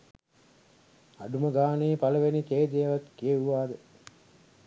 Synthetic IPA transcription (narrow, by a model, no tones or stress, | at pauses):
aɖuməɡaːneːpaləʋenit̪eːd̪ejəʋat̪kijeuʋaːd̪ə